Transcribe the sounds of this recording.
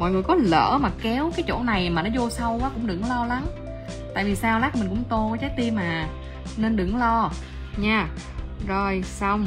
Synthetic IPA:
mɔ̰˧˨jŋɨ˨˩əjkɔ˨˦lə̰ː˧˩maː˨˩kɛ˨˦wkaː˨˦jt͡ɕo̰˧˩na˨˩jmaː˨˩nɔ˨˦zo˧sa˧wʔaː˨˦kʊ̰˧˥ŋ͡mɗɨ̰˧˩ŋlɔ˧la˨˦ŋ | t̪a̰ː˧˨vi˨˩saː˧wla˨˦˥k̚ːmï˨˩ŋ̟kʊ̰˧˥ŋ͡mt̪o˧˨˦t͡ɕaː˨˦˥j̚t̪i˧maː˨˩ | ne˧nɗɨ̰˧˩ŋlɔ˧ | ɲaː˧˩ | zo˨˩jsa˧wŋ͡m

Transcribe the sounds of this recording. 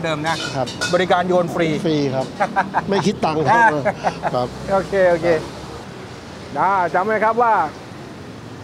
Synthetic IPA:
dɤː˧mna˦˥˩kʰa˦˥p̚bɔː˧ɾi˦kaː˧njoː˧nfɾiː˧fɾiː˧kʰa˦˥p̚p̚ma˥˩jkʰi˦˥t̪ːa˧ŋkʰa˦˥˧kʰa˦˥p̚ʔoː˧kʰeː˧ʔoː˧kʰeː˧ | daː˧˩t͡ɕa˧mːa˧˥˩kʰɾa˦˥p̚waː˥˩

